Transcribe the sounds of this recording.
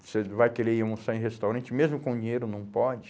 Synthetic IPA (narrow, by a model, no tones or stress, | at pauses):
sevajkeɾeiũsɐ̃ẽɦest̪awɾɐ̃nt͡ʃɪmezmʊkõd͡ʒĩɲejɾʊnɐ̃w̃pɔd͡ʒɪ